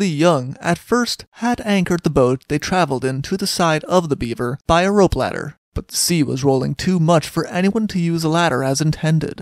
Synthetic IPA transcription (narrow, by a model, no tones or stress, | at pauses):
ðɨjʌ̃ŋɨ̰tfɜ˞st̚hɨɾæ̃ŋkə˞d̪̚ðəboʊt̪̚ðeɪtʰɹ̥ævl̩ˠdɪ̃ntʰɨðɨsaɪɾʌvðəbivə˞b̥aɪɨɹoʊplæ̰ɾə̰˞ | b̥ʌt̪̚ðəsiwʌ̰zɹoʊlˠɪ̰̃ŋtʰʉmʌt͡ʃfə˞ʔɛñiwʌ̃ntʰɨjʉzəlæɾə̰˞ɨzɨ̃ntʰɛ̃ndɪ̰d̥